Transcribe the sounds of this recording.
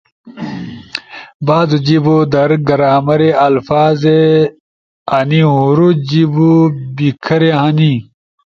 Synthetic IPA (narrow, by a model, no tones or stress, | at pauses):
baːzud͡ʑibod̪ɐɾɡɐɾaːmɐɾeɐlfaːze | ɐniɦuɾud͡ʑibubikʰɐɾeɦɐni